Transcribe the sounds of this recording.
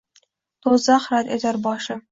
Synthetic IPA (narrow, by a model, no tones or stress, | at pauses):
t̪ʰozɑχɾat̪et̪aɾbɒʃɪ